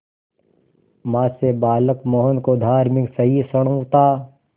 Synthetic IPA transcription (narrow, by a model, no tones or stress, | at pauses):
maːsebaːləkmɔːɦənkod̪ʱaːɾmɪksɐɦisɐɽ̃õt̪aː